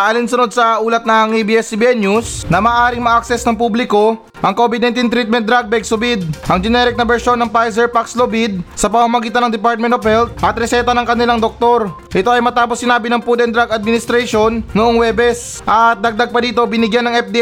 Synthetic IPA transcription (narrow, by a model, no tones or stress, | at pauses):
ʔɐlinsʊnod̪̚sɐʔuːlɐt̪̚nɐŋʔebiɛsibiʔɛnjusnɐmaːʔaːɾɪŋmɐʔaksɛsnɐŋpublɪko̞ | ʔɐŋkobɪd̪nɐnt̪int̪ɾit̪̚mɛnt̪̚d̪ɾaɡ̚bɛɡ̚sʊbɪd̪̚ʔɐŋd͡ʒɛnɛɾɪk̚nɐbɛɹʃo̞nːɐŋpajsɛɹpakslobɪd̪̚sɐpɐmamɐɡiːt̪ɐnɐŋd̪ɪpaɹt̪̚mɛnt̪ovhɛlt̪̚ʔɐt̪ɾɛsɛːt̪ɐnɐŋkɐnɪlaŋd̪ok̚t̪o̞ɾ | ʔɪt̪o̞ʔɐjmɐt̪aːposːɪnaːbɪnɐŋpud̪ɛnd̪ɾaɡɐd̪̚mɪnɪst̪ɾaʃo̞nːʊʔoŋwɛːbɛs | ʔɐt̪̚d̪ɐɡ̚d̪aɡ̚pɐd̪iːt̪o̞bɪnɪɡjanːɐŋɛp̚d̪i